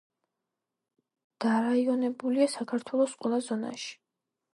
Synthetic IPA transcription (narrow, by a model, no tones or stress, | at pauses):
d̪̥aɾaiɔnɛbuliasakʰaɾt̪ʰwɛlˠɔsqʼwɛlˠazɔna̰ʃi̥